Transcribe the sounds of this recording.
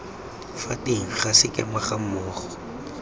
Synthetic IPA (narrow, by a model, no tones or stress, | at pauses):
fatʼiŋ̩χasɪkʼɛ̰maχam̩mʊːχɔ̥